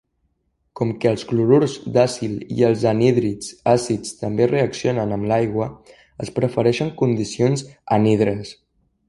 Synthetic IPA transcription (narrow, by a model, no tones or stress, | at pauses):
kɔmkəːlˠzɣluɾuɾzd̪asilḭəlˠzəniðɾit͡sasit͡st̪əmbereəksionənəmlajɣwə | əspɾəfəɾɛʃəŋkund̪isionzənið̞ɾəs